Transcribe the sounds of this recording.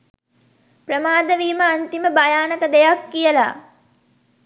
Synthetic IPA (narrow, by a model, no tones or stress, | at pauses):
prəmaːd̪əʋiːməant̪iməbajaːnəkəd̪ejakːijəla̰